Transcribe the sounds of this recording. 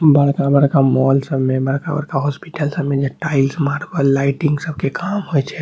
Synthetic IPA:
bəɽkabəɾkamɔlsəbmebəɽkabə̰ɾkaɦɔspiʈəlsəbmed͡ʒeʈailsmaɾbəlːaɪʈĩŋɡsəbkekamɦojt͡ʃʰɛ

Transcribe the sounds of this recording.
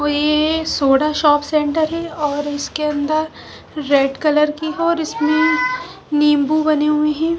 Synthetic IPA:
oːjesoːɽaʃɔːpsẽːɳʈəɾɦɛɔːɾɪskeɐ̃nd̪əɾ | ɾeːɖkɐləɾkiɦɛɔːɾɪsmẽ | niːmbubɐneɦʊeɦɛ̃ː

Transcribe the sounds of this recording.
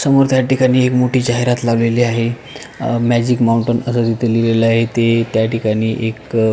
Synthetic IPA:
səmoɾt̪jaʈikaɽ̃iːekmoʈiːd͡ʑaɦeɾat̪laʋleliːaɦe | mæd͡ʑikmawuɳʈənəsəd̪it̪ʰelileləaɦet̪et̪jaʈikaɽ̃iːʔek

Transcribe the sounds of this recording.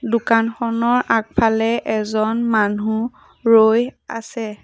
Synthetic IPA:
dʊkanxɔnɔɹak̚pʰalɛʔɛzɔnmanu | ɹoja̰sɛ

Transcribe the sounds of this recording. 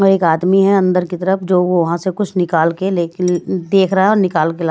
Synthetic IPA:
ɔːɾeːkaːd̪miɦɛɐ̃nd̪əɾkit̪ɐɾəfd͡ʒoːʋoʋɐɦãsekʊt͡ʃʰnɪkaːlkeleːd̪eːkʰɾɐɦaɛɔːɾnɪkaːlkelaː

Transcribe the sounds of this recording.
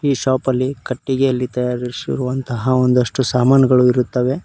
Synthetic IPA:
iːʃaːpɐlːikɐʈːiɡeɐlːit̪ɐjaːɾisiɾuʋɐnt̪ɐɦɐo̞nd̪ɐʂʈusaːmaːnɐɡɐɭuiɾut̪ːɐʋe̞

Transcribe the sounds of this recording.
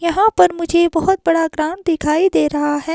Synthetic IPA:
jɐɦãpɐɾmʊd͡ʒʱebɐɦʊt̪̚bɐɽaɡɾãːnd̪ɪkʰaːid̪eːɾɐɦaɦɛː

